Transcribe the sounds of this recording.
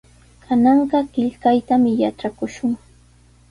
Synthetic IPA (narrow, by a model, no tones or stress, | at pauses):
kʰanɑɴɢɑkɪʎkajt̪amɪjaʈ͡ʂakʊʃʊŋ